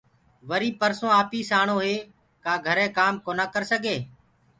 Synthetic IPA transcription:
ʋəɾiːpəɾsõːaːpiːsaːɳõːɦeː | kaːɡʱəɾẽːkaːmkoːnaːkəɾsəɡʱeː

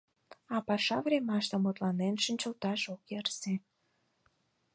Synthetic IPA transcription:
ɑpɑʃɑvɾʲemɑʃt̪ə̆mot̪lɑnenʃənʲt͡ɕə̆lt̪ɑʒokjɑrse

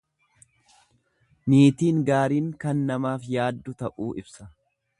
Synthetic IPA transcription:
niːt̪iːŋɡaːɾiːŋkɐnːɐmaːfjaːd̪ːʊt̪ɐʔuːɪbsɐ̥

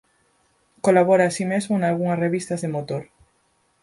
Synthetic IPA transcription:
kolaβoɾaːsimezmonalɣuŋɐsreβist̪ɐzðemot̪oɾ

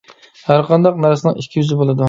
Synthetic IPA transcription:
hæɾqʰɑnd̪ɑqnæɾsɪnɨŋikʲʰːijyzɪbolˠɨd̪u

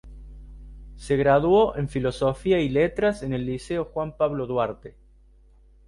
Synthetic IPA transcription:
seɣɾaðwoʔe̞ɱfilo̞sofiailet̪ɾase̞ne̞lːiseo̞xwampaβloðwaɾt̪e

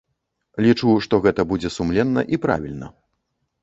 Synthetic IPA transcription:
lʲit͡ʂuʂt̪ɔɣɛt̪ɐbud͡zʲɛsumlʲɛnːɐ̰ʔipɾa̰vʲilʲnɐ̰

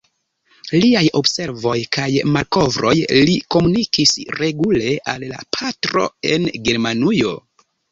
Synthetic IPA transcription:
liajo̞bse̞ɾvo̞jkʰajmalko̞vɾo̞̰jliko̞munikisɾe̞ɡule̞ʔalːa̰pʰatɾo̞̰e̞̰nɡe̞ɾmanujo̞

